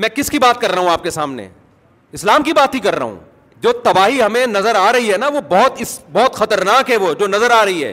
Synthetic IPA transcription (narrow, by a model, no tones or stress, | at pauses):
mɛ̃ːkɪskibaːt̪̚kɐɾːɐɦũaːp̚kesaːmnḛ | ɪslaːmkibaːt̪ɦikɐɾːɐ̰ɦṵ̃ː | d͡ʒoːt̪ɐbaːɦiɦɐmẽnɐzəɾaːɾɐɦiɦɛnaʋobɔɦʊt̪ɪsbɔɦʊt̪xɐt̪əɾnaːkɦɛʋoːd͡ʒoːnɐzəɾaːɾɐɦiɦɛ̰ː